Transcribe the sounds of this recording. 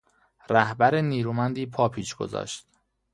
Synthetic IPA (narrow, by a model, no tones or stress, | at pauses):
ɾæhbæɾeniːɾuːmænd̪iːpʰɒːpʰiːʃɡ̥o̰zɒ̰ːʃt̪